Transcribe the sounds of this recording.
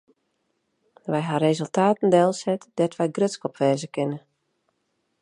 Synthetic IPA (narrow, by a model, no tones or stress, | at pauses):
ʋɛjɦaɾeːzəlˠtʰaːtən̩dɛlˠsɛtdɛtʋɛjɡrøskɔpʋɛːzəkɪnə